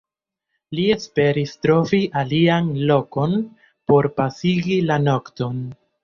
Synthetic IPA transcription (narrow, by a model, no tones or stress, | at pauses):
lie̞spe̞ɾistɾo̞viʔalianlo̞ko̞n | po̞ɾpasiɡilano̞kto̞n